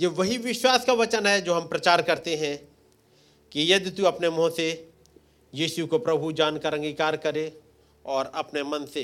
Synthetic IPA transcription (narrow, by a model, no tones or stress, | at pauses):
jeːʋɐɦiʋɪʃwaːskaʋɐt͡ʃənɦɛd͡ʒoːɦɐ̃mpɾɐt͡ʃaːɾkɐɾt̪eɦɛ̃ | kijɐd̪t̪uɐpnemɔ̃ːse | jiːʃukopɾɐbʱud͡ʒaːnkəɾə̃ŋɡikaːɾkɐɾe | ɔːɾɐpnemɐnse